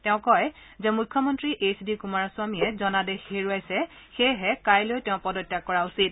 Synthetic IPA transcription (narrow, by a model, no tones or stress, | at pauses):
tɛʊ̃kɔjzɛmukʰːɔmɔntɹiʔesdikumaɹasʊwamiɛzɔnadɛxeɹujajsɛ | xejɦɛkajlojtɛʊ̃pɔdɔtːakːɔɹausit̚